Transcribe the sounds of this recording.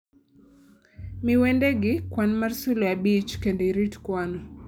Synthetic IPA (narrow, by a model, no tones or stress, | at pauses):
miwɛndɛɡikwanmaɾsuljabit͡ʃkɛndiɾitkwanɔ